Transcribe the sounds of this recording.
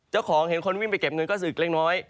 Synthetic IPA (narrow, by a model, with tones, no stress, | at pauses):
t͡ɕaː˥˩wkʰɔː˩˦ŋhe˨˩˦nkʰo˧nwi˥˩npa˧jke˨˩p̚ŋɤ˧nkɔː˥˩sɯː˨˩k̚leː˦˥˩ŋ̚nɔː˦˥j